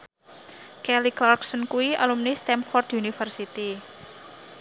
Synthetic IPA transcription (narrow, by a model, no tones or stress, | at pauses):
kɛliklarksɔnkuwiʔa̰lumnist̪ɛmfɔrd̪junifərsit̪i